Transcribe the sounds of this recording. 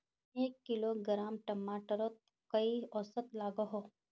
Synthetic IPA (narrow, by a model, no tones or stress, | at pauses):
eːkːɪloːɡɾaːmʈɐmaːʈəɾot̪̚ | kɐiɔsət̪laːɡoɦo